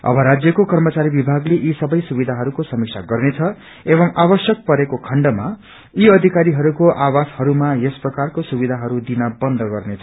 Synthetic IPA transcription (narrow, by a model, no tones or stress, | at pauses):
ʌ̰bʱʌɾad͡zjʌkokʌrmʌt͡saɾibibʱaɡleʔisʌbʌjsubid̪ʱaɦʌɾukosʌmiksʰaɡʌrnet͡sʰʌ | ebʌmabʌsjʌk̚pʌɾekokʰʌɳɖʌma | iʌd̪ʱikaɾiɦʌɾukoʔawashʌɾumajesprʌkarkosubid̪ʱaɦʌɾud̪inʌbʌnd̪ʱʌɡʌrnet͡sʰʌ̥